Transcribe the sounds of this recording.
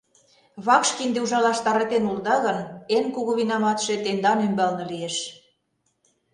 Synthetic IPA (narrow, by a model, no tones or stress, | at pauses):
βɑkʃkind̪euʒɑlɑʃt̪ɑɾɑt̪enuld̪ɑɣɤ̆nenkuɣuβinɑmɑt̪ʃet̪end̪ɑnymbɑlnɤ̆lieʃ